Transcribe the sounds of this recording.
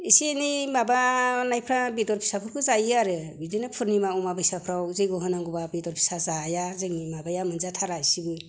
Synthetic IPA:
isinimabanajpʰɾabidɔɾpʰi̥sapʰuɾkʰɯzajaɾɯbidɯjnɯpʰɯɾnimaɔmabɯjsapʰɾawzɯjɡɔɦɯnaŋɡubabidɔɾpʰi̥sazajazɯŋnimabajamɯnzatʰaɾajsibɯ

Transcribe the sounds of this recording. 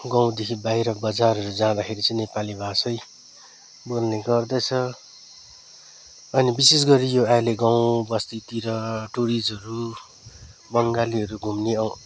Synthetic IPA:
ɡãw̃d̪ekʰibajɾʌbʌd͡zarɦʌɾud͡zãd̪akʰeɾit͡sʌĩnepalibʱasʌj | bolneɡʌrd̪ʌt͡sʰʌ | ʌnibisesɡʌɾijoaleɡaw̃bʌst̪it̪iɾʌʈoɾid͡zʌɾu | bʌŋɡaliɦʌɾuɡʱumneʌ

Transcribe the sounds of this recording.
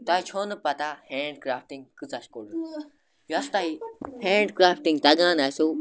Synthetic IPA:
t̪aːit͡ʃʰoːnəpat̪aheːɳɖkɾaːfʈĩŋɡkɨt͡saʃkoɽ | jɐst̪aihẽːɳɖkɾaːfʈĩŋɡt̪aɡãːnaːjso

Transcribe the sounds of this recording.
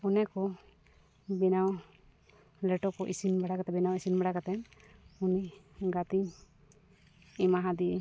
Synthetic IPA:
ɔnɛkɔ | bɛnaw | lɛʈɔkɔʔisinbaɽakat̪ɛbɛnawisinbaɽakat̪ɛnuni | ɡat̪i | ɛmaɦãd̪iɛ

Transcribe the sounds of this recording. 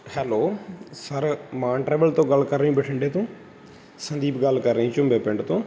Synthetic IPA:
hɛːloːsəɾmãːʈɾɛːʋəlt̪õːɡəlkəɾːəĩːbəʈʰəɳɖeːt̪õː | sənd̪iːpɡəlkəɾːəĩːt͡ʃʊmbeːpɪɳɖt̪õː

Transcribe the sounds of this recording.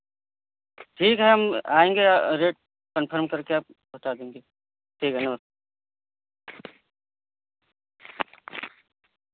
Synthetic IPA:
ʈʰiːkɦɛɦɐmaːẽːŋɡeɾeːʈ̚ | kənpʰəɾmkɐɾkeaːp̚bɐɦt̪aːd̪ẽːŋɡe | ʈʰiːkɦɛnɐbəs

